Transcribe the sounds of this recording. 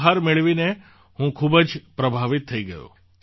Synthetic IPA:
ɦaɾmeɭʋine | hũkʰubəd͡ʒpɾəbʱaʋit̪ʰːəiɡəjo̰

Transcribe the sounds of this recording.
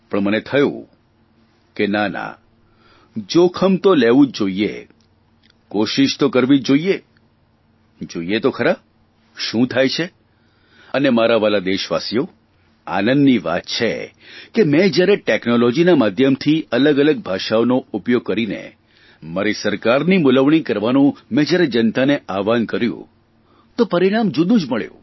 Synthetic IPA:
pəɳmənet̪ʰəjṵ̃ | kenanã̰ | d͡ʒokʰəmt̪oleʋũd͡ʒoiḛ | koʃiʃt̪okəɾʋid͡ʒoie | d͡ʒoiet̪okʰəɾab | ʃũt̪ʰajt͡ʃʰe | ənemaɾaʋalad̪eʃʋa̰sijo | a̰nənːiʋa̰t̪̚t͡ʃʰḛ | kemɛ̃d͡ʒjaɾeʈeknolɔd͡ʒinamad̪ʱjəmt̪ʰiələɡələɡ̚bʱaʃaonoupjoɡ̚kːəɾinḛ | maɾisəɾkaɾnimʊləʋɳikəɾʋanũmɛ̃d͡ʒjaɾed͡ʒənt̪aneʔaʋankəɾjṵ̃ | t̪opəɾiɽ̃amd͡ʒʊd̪ũd͡ʒməɭjṵ̃

